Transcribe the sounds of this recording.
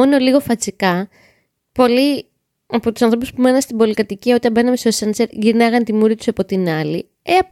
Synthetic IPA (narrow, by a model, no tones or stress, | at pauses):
o̞no̞liɣo̞fɐt͡sikɐ | po̞li | ɐpo̞t̪u̥sɐnθɾo̞puspume̞nɐnst̪imbo̞likɐt̪iciɐo̞t̪ɐmbe̞nɐmest̪osɐnseɾʝiɾnɐɣɐnt̪imuɾit̪u̥sɐpo̞t̪inɐli | eɐp